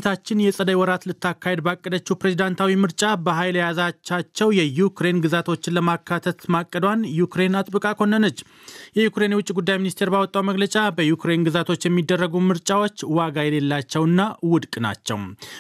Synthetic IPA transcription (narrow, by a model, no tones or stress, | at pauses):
t̪ʰat͡ʃːɪnjɛsʼəd̪əjwɔɾat̪lɨt̪ʰːakːahe̞d̪bakʼːəd̪ət͡ʃːupɾe̞zid̪ant̪ʰawimɨɾt͡ʃʼabəɦajljazat͡ʃːat͡ʃːɛwjɛjukɾe̞nɡɨzat̪ʰo̞t͡ʃːɪnləmakʰːat̪ʰət̪makʼːəd̪wanjukɾe̞nat̪ʼbɨkʼakʰo̞nːənət͡ʃː | jɛjukɾe̞nwʊt͡ʃʼːiɡud̪ːajminist̪ʰe̞ɾbawɔt̪ʼːawməɡlət͡ʃʼabəjukɾe̞nɡɨzat̪ʰo̞t͡ʃːjɛmːid̪ːərːəɡumɨɾt͡ʃʼawo̞t͡ʃːwaɡajɛle̞lːat͡ʃːɛwɨnːawʊd̪kʼna̰t͡ʃːɛ̰w